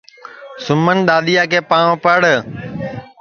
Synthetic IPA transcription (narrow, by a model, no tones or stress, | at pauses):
sʊmənɗ̪aːɗ̪ijaːkeːpaːɳ̃õːpəɽ